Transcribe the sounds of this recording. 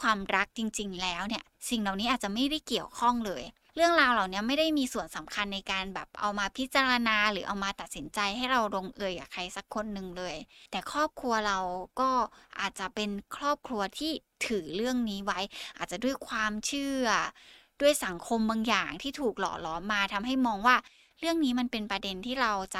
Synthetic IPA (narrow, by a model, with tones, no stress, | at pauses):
kʰwaː˧mɾa˦˥k̚t͡ɕi˧ŋt͡ɕi˧ŋlɛː˦˥wni˥˩ɐsi˨˩ŋla˨˩wniː˦˥ʔaː˨˩t̪̚t͡ɕa˨˩ma˥˩jda˥˩jki˨˩əwkʰɔ˥˩ŋlɤː˧j | ɾɯ˥˩əŋɾaː˧wla˨˩wni˦˥ɐma˥˩jda˥˩jmiː˧su˨˩ənsa˩˦mkʰa˧nːa˧jkaː˧nbɛ̰ː˨˩p̚ʔa̰˧wmaː˧pʰi˦˥t̪̚t͡ɕaː˧ɾa˧naː˧ɾɯː˩˦ʔa˧wmaː˧t̪a˨˩t̪̚si˩˦nt͡ɕa˧jha˥˩jɾa˧wɾo˧ŋʔɯ˧jka̰ː˨˩kʰa˧jsa˨˦kʰːo˧nːɯ˨˩ŋlɤː˧jt̪ɛː˨˩kʰɾɔː˥˩p̚kʰɾu˧ɐɾa˧wkɔː˥˩ʔa̰ː˨˩t̪̚t͡ɕa˨˩pe˧nkʰɾɔː˥˩p̚kʰlu˧ɐt̪ʰiː˥˩t̪ʰɯː˩˦ɾɯ˥˩əŋniː˦˥wa˦˥jʔaː˨˩t̪̚t͡ɕa˨˩du˥˩əjkʰwaː˧mt͡ɕʰɯː˥˩ɐdu˥˩əjsa˩˦ŋkʰo˧mbaː˧ŋjaː˨˩ŋt̪ʰiː˥˩t̪ʰuː˨˩k̚lɔ̰ː˨˩lɔː˨˦mːaː˧t̪ʰa˧mɦa˥˩jmɔː˧ŋwaː˥˩ | ɾɯ˥˩əŋniː˦˥ma˧npe˧npɾa˧de˧nt̪ʰiː˥˩ɾa˧wt͡ɕa˨˩